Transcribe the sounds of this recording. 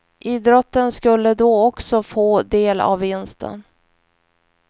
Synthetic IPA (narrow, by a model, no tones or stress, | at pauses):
ʔiːd̪ɾɔt̪ːənskɵlːəd̪ɔɔksɔfoːd̪eːla̰vːɪnst̪ʰə̰n